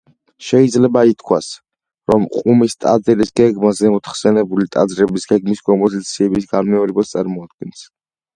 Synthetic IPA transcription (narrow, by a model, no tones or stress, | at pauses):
ʃɛid̪zlɛbait̪ʰkʰwas | ɾɔmqʼumist̪ʼa̰d̪zɛɾisɡɛɡmazɛmɔt̪χsɛnɛbulit̪ʼa̰d̪zɾɛbisɡɛɡmiskʼɔmpʼɔzit̪sʰiɛbisɡanmɛɔɾɛbast̪sʼaɾmɔad̪̚ɡɛns